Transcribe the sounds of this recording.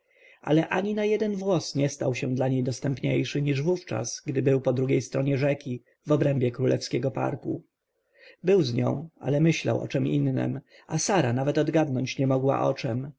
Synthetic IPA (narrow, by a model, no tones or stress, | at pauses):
ʔa̰lɛʔaɲinajɛd̪ɛnvwɔsɲɛst̪awɕɛ̃d̪laɲejd̪ɔst̪ɛmpɲejʂɘɲiʐvuft͡ʂa̰sɡd̪ɘbɘwpɔd̪ɾuɡʲejst̪ɾɔɲɛʐɛkʲi | vɔbɾɛmbʲjɛkɾulɛfskʲɛɡɔpa̰ɾkṵ | bɘwzɲɔ̰̃w̃a̰lɛmɘɕla̰wʔɔ̰t͡ʂɛmḭnːɛ̰m | ʔasaɾanavɛt̪ɔd̪ɡad̪nɔɲt͡ɕɲɛmɔɡwa̰ʔɔ̰t͡ʂɛm